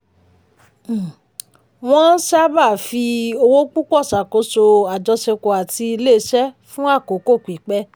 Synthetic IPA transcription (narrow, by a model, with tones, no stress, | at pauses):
w̃ɔ̃˦n̩˦ʃa˦ba˦˨fi˧o˧wo˦k͡pu˦k͡pɔ˦˨sa˨ko˨˧˦so˧a˨d͡ʒɔ˧ʃe˧ko˨a˨ti˧i˧le˦˨˦ʃɛ˦ | fũ˦a˦˨ko˨˦ko˦˨k͡pi˨˦k͡pɛ˦